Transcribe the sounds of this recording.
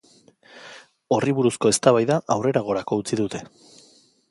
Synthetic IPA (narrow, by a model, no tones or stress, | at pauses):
o̞riβuɾusko̞e̞st̪aβajðaʔawre̞ɾaɣ̞o̞ɾako̞ut͡siðut̪e̞